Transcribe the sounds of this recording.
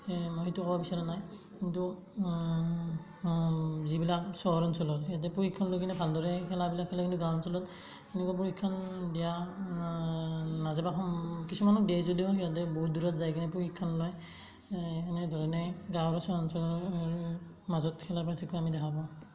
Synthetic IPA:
mɔɦitukɔbabisaɹɔnaj | kintu | zibilak̚sɔɦɔɹɔnsɔlɔtijat̬ɛpuxikʰːɔnlɔjkʰinɛbʱaldɔɹɛkʰɛlabilakʰːɛlɔkintuɡãwɔnsɔlɔt | ɛnɛkuap̬uɹikʰːɔndija | nazabaxɔkisumanɔkdejzɔdiɦijatɛbɔuduɹɔtzajkinɛp̬uhikʰːɔnlɔj | kʰɛnɛdʱɔɹɛnɛɡawɹɔsɔɹɔnsɔlɔ | mazɔtkʰɛlapatʰikɔamidɛkʰabɔ

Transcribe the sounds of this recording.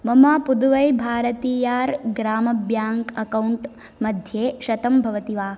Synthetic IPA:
mɐmaːpud̪uʋɐjbʱaːɾɐt̪iːjaːɾɡɾaːmɐbjaːŋkɐkɐwuɳʈ | mɐd̪ʱjeːʃɐt̪ɐmbʱɐʋɐt̪iʋaː

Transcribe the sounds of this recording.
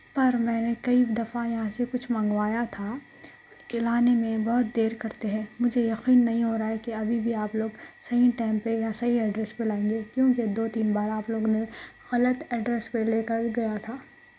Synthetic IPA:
pɐɾmɛ̃ːnekɐid̪ɐfajɐɦãsekʊt͡ʃʰmɐ̃ŋɡʋaːjat̪ʰa | ɪlaːnemẽbɐɦʊt̪̚d̪eːɾkɐɾt̪eɦɛ̃ːmʊd͡ʒʱejɐqiːnːɐɦĩɦoɾaaɦɛkeɐbʱibʱiaːploːɡsɐɦiʈɛːmpejasɐɦiɛɖɾɛspelaːẽːŋɡekjõːked̪oːt̪iːnbaːɾaːploːɡone | ɣɐlət̪ɛɖɾɛspeleːkəɾɡɐjat̪ʰaː

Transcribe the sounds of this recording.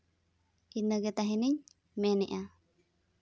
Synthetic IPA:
inəɡet̪aɦiniɲ | meniʔa

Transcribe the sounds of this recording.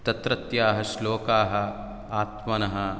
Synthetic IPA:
t̪ɐt̪ɾɐt̪jaːɦɐʃloːkaːɦɐ̆ | aːt̪mɐnɐɦɐ

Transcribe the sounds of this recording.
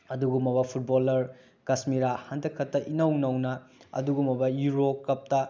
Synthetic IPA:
ɐduɡumɐbɐpʰut̚bolɐɾ | kɐsmiɾahandɐkʰɐtːɐʔinɐwnɐwnɐɐ̰duɡumɐbɐjuɾokːɐp̚tɐ

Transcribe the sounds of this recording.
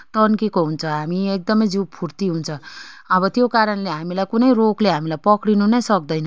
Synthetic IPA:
t̪ʌnkekoɦunt͡sʰʌɦamiek̚d̪ʌmʌjd͡zipʰurt̪iɦunt͡sʰʌʌβʌt̪jokaɾʌnleɦamilajkunʌjrokleɦamilajpʌkɽinunʌjsʌk̚d̪ʌjnʌ

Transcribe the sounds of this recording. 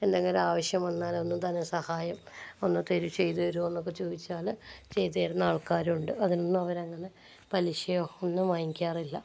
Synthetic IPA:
e̞nd̪eŋɡilaːʋɐɕjɐmʋɐnːaːlo̞nːut̪ɐnːesɐhaːjɐmonːɨt̪eɾut͡ɕe̞jt̪uʋɐɾue̞nːok̬ːet͡ɕoːʋit͡ɕːaːlt͡ɕe̞jt̪ːejɾunːaːɭkaːɾuɳɖɨɐðinonːɐʋɐɾɐŋːɐne̞ | pɐliɕɐjoonːɨmaːjkʲːjaːrilːɐ

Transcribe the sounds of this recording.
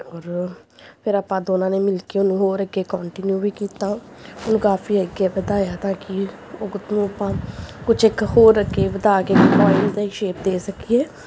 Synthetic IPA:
ɔːɾpʰɪɾaːpãːd̪oːnãːneːmɪlkeːʊnũːɦoːɾəɡeːkɔːɳʈɪnjuːʋiːkiːt̪aː | ʊnũːkaːfʰiːəɡjaːbəd̪aːjaːt̪ãːkɪ | oːkʊt̪nũːəpãːkʊt͡ʃʰɪkhoːɾːəɡeːʋəd̪aːkeːkpɔːɪmd̪aiːʃeːp̚d̪eːsəkiːeː

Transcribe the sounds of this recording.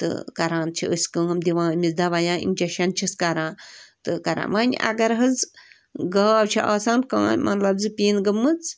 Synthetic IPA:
t̪ɨ̰kɐɾãːnt͡ʃʰḭʔəsʲkɨɦɐmd̪ʲiʋãːmʲizd̪ɐʋajãːʔḭnʲd͡ʒɐʃɐnt͡ʃʰiskɐɾãːt̪ɨkɐɾã̰ːʋaːnʲʔɐ̰ɡɐɾɦɐz | ɡaːbt͡ʃʰiʔaːsaːnkã̰ːmɐt̪lɐbzɨpʲiːnɡɐmːɨt͡s

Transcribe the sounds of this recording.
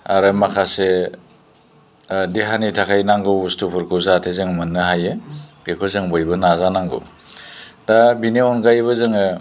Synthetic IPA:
aɾɯmakʰase | diɦanitʰakʰajnaŋɡɯustupʰuɾkʰɯwzatʰezɯŋmɯnːɯɦajɯɡekʰɔzɯŋbɔjbɯnazanaŋɡɯ̰ | dabiniɔnɡajbɯzɯŋɯ

